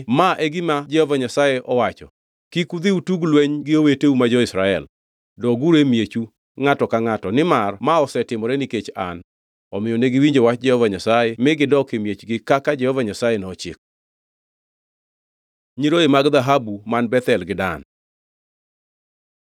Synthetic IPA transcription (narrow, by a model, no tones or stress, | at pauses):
maʔeɡɪmad͡ʒɛhɔvaɲasajeʔɔwat͡ʃɔ | kikud̪iutuɡlweɲɡɪoweteumad͡ʒɔɪsɾaɛ̰l | dɔɡuɾemjet͡ʃu | ŋatɔkaŋatɔnɪmarmaɔsɛtɪmɔɾɛniket͡ʃa̰n | ɔmɪjɔneɡɪwiɲd͡ʒewat͡ʃd͡ʒɛhɔvaɲasajɛmɪɡɪdɔkemjet͡ʃɡɪkakad͡ʒɛhɔvaɲasajenɔt͡ʃɪ̰k̚ | ɲiɾoemaɡd̪aɦabumanbɛt̪ɛlɡɪdan